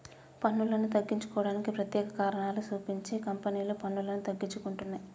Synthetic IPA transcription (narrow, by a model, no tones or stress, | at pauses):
pɐnːulɐnut̪̬ɐɡːiɲt͡ʃu̥kɔːʋɐɽaːnikipɾɐt̪jɛːkɐkaːɾɐɳaːlusuːpiɲt͡ʃeːkɐmpɐniːloːpɐnːulɐnut̪ɐɡːiɲt͡ʃukuɳʈunːaːj